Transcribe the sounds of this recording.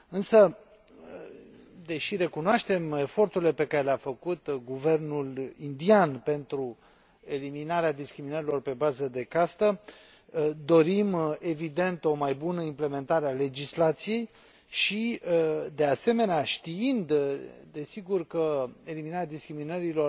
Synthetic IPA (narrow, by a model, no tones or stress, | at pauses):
ɨnsə | d̪e̞ʃiɾe̞kunoaʃt̪e̞me̞fo̞rt̪uɾile̞pe̞kaɾe̞leafəkut̪ɡuve̞rnulind̪ianpe̞nt̪ɾu | e̞liminaɾead̪iskɾiminəɾilo̞rpe̞bazəd̪e̞kast̪ə | d̪o̞ɾime̞vid̪e̞nt̪o̞majbunəimple̞me̞nt̪aɾeale̞d͡ʒislat̪sije̞j | ʃiəd̪e̞ase̞me̞neaʃt̪iind̪d̪e̞siɡurkəe̞liminaɾead̪iskɾiminəɾilo̞r